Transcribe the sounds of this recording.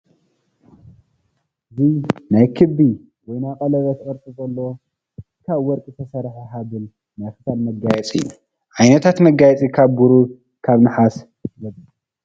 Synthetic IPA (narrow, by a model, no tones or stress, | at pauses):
ʔɨzinajkʰɨbi | wɔjnakʼɐlɐβɐt̪ʔʼɐɾt̪ʼɨt͡sʼɐlːo | kʰaβwɔɾkʼɨt̪ʰɐsɐɾħiħaβɨl | najxɨ̥salmɐɡajɛt͡sʼḭjːu | ʔajnɐt̪ʰat̪mɐɡajɛt͡sʼikʰaβɡuɾu | kʰaβnɨħas | zɐb